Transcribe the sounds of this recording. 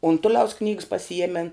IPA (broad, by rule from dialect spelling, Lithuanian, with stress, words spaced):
ʊnˈtʊlʲɛʊs knʲiːks pɐsʲɪˈjiɛmʲɛn